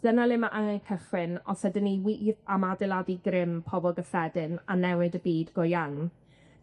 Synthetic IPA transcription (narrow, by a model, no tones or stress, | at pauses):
d̥ənalˠɪmaʔaŋakʰəχwɪnɔsɛdɪniwiʔamadɪlˠadiɡrɪmpʰɔbɔlˠɡəfɛdɪnanɛwɨdəbiːdɡ̥ɔjaŋ